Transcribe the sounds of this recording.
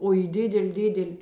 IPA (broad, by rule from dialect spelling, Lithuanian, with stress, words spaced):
oː iː ˈdʲɪdʲɛlʲ ˈdʲɪdʲɛlʲ